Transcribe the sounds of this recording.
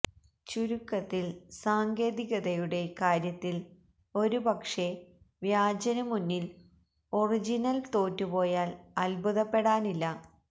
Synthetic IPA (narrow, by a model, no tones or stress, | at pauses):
t͡ɕuɾukːɐt̪ːilsaːŋɡe̞ːðiɣɐðɐjuɽe̞kaːɾjɐt̪ːil | o̞ɾubɐkʂe̞ | ʋjaːd͡ʑɐnɐmunːil | o̞rid͡ʑinɐlt̪o̞ːtːupo̞ːjaːlɐlbʱuðɐpːe̞ɽaːnilːɐ